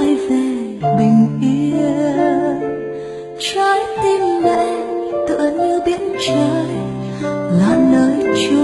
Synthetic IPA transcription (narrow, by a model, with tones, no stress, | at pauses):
jve˨˩ | ɓï˨˩ŋ̟ʔi˧˦əə | t͡ɕa˧˦jt̪i˧˩mmɛ̰˧˨˩nt̪ɨ̰˧˨əɲɨ˧ɓi˧˥ənt͡ɕəː˧˨˦j | laː˧˨˩nəː˨˦jt͡ɕu˧˦